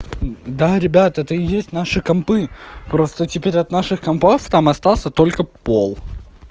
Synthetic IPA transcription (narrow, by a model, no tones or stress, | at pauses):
d̪aɾʲɪbʲat̪ɛt̪əɪjesʲtʲnaʂɨkɐmpɨpɾo̞st̪ətʲɪpʲeɾʲɐt̪naʂɨxkɐmpoft̪amɐst̪alˠsʲət̪o̞lʲkəpolˠ